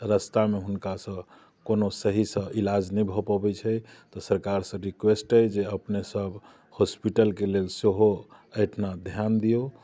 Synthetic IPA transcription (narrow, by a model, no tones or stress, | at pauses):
ɾəst̪ameɦunkasə̃ | konosəɦisə̃ilad͡ʒnɛbʱɔpabɛt͡ʃʰɛt̪ɔsəɾkaɾsə̃ɾikwesʈəjd͡ʒeəpnesəb | hospiʈəlkelelseɦo | əjʈʰnad̪ʱjand̪ijo